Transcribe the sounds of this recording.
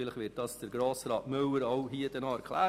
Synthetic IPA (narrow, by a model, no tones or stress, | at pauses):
iləχʋɪːt̚d̥ɑsd̥əɾɡɾoːsɾɑːtmøwəɾɔʊɦiəd̥ɛnɑɛɾkʰlæː